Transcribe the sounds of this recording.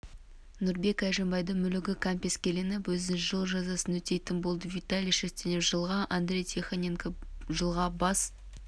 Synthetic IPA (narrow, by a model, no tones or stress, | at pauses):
nʊɾbe̞kæʒembɑjd̪əɴmʏlɪɡʲɪkʰampʲeskʲelenɪpwɵzɪʒəlˠʒɑzɑsənwɵt̪e̞jt̪ɪnbo̞lˠd̪əvʲit̪alʲijʃest̪enɪpʒəlˠʁɑʔand̪ɾʲe̞jt̪ʲʰeχanʲeŋkʒəlˠʁɑbɑs